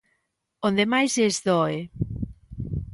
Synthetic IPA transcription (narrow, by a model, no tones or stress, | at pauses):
õnd̪emajzezðɔe